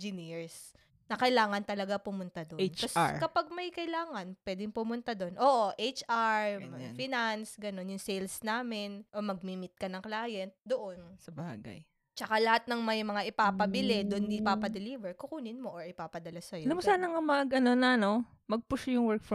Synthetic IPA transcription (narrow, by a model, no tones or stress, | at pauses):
d͡ʒɪniɹs | nɐkɐɪlaːŋɐnt̪ɐlɐɡapʊmʊnt̪ad̪ot͡ʃːɐsɹkɐpaɡ̚mɐjkɐɪlaːŋɐnpwɛːd̪ɪŋpʊmʊnt̪ad̪o̞nʔo̞ːʔoʔejt͡ʃʔaɹmɐafɪnansɡɐno̞njʊŋsɛjlsnaːmɪnʔomɐɡ̚mimɪt̪̚kɐnɐŋklaːjɛnt̪̚d̪oʔonsɐba̰ːɡɐ̰j | t͡ʃɐkalɐhat̪̚nɐŋmɐjmɐŋaʔɪpaːpɐbɪlɛd̪onːɪpaːpɐd̪ɪliːvɛɹkʊkuːnɪnmo̞ʔoɹʔɪpaːpɐd̪ɐlasɐjolɐmsaːnɐŋɐmɐɡʔɐnonɐno | mɐɡ̚pʊʃjʊŋwɛk̚f